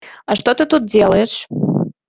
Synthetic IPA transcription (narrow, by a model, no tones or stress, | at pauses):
ɑʂt̪ot̪ɨt̪ut̪̚dʲelˠəeʃ